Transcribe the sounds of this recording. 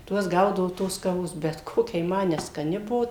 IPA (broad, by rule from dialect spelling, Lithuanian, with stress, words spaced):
ˈtuɔs ˈɡɐʊdɐʋʊ ˈtoːs kɐˈʋoːs ˈbʲɛt ˈkoːkʲɛ jɪ ˈmɐ nʲɛskɐˈnʲɪ ˈbuɔ